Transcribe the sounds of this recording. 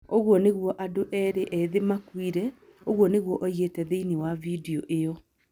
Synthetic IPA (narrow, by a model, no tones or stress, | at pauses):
oɣwɔneɣwɔʔadoʔɛɾeʔɛðemakwiɾɛ | oɣwɔneɣwɔʔoiɣetɛðeiniwavideɔʔejɔ